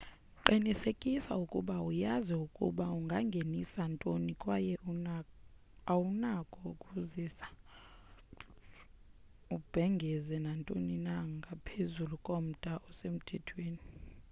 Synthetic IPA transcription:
ǃinisekʼisa̰ukʼuɓaujaziukʼṵɓauŋɡʱaŋɡʱenisantʼonikʼwajɛ | awunakʼɔkʼuzisḁ | ub̥ʱɛŋɡʱɛzɛnantʼoninaŋɡʱapʰezulukʼom̩tʼaʔɔsem̩tʰɛtʰweːni

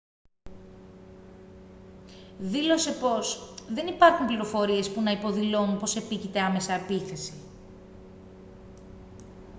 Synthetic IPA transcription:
ðilo̞se̞po̞sðe̞nipɐɾxumpliɾo̞fo̞ɾie̞spunɐipo̞ðilo̞nunpo̞se̞picit̪e̞ɐme̞sɐːpiθe̞si

